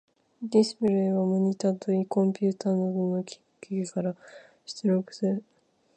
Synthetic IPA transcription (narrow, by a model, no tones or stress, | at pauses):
d̪ʲisɨ̥pɯɾɯeɡamoɲ̟it̪at̪oikõ̞mpʲɯ̟ːt̪aːnod̪onokʲi̥kḁkʲekekaɾa | ɕɨ̥t͡sɨɾokɯ̟̥sɨɾɯ̟